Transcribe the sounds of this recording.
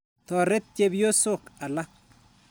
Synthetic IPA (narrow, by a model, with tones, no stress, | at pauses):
t̪ɔ˨ɾɛ˦t̪̚t͡ʃe˦bjo˦sʊ˦˨ka˨la˦